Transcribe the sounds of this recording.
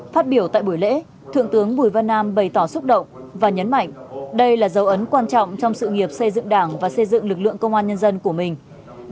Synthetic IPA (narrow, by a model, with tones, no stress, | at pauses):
faː˦˥t̚ɓi˧˩əwt̪a̰ː˧˨jɓu˧˩jlḛ˧˥ | t̪ʰɨ̰˧˨ŋt̪ɨ˨˦əŋɓu˧˩əjvə˧nːaː˧mɓə˨˩jt̪ɔ˧˩sʊ˦˥k͡p̚ɗə̰˧˨wŋ͡mvaː˨˩ɲə˨˦nma̰˧˨jŋ̟ɗə˧jlaː˨˩zə˨˦wʔə˨˦nkwaː˧nt͡ɕɔ̰˧˨wŋ͡mt͡ɕɔ˧wŋ͡msɨ̰˧˨ŋi˨˩əp̚sə˧jzɨ̰˧˨ŋɗaː˧˩ŋvaː˨˩sə˧jzɨ̰˧˨ŋlɨ˨˩k̚lɨ̰˧˨əŋkə˧wŋ͡mʔaː˧nɲə˧nzə˧nku˧˩əmï˨˩ŋ̟